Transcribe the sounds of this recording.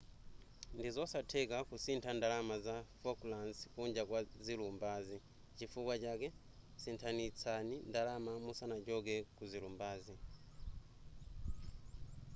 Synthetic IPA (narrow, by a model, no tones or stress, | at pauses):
ndizɔsatʰɛkakusintʰandalamazafɔklanskuɲd͡ʒakwazilumbaːzi | t͡ʃifukwat͡ʃakɛ | sintʰanit͡sʰanindalamamusanad͡ʒɔkɛkuzilumbaːzi